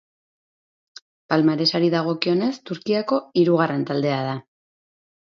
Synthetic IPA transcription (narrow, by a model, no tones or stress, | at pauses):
palmaɾe̞saɾiðaɣ̞o̞kio̞ne̞st̪uɾkiako̞iɾuɣ̞are̞nt̪ald̪e̞aða